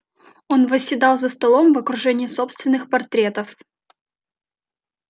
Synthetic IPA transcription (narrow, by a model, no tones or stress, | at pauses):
o̞nvəsʲːɪd̪ɑlˠzəst̪ɐlˠo̞mvəkɾʊʐɛnʲɪɪso̞pst̪vʲɪnːɨxpɐrt̪ɾʲe̞t̪əf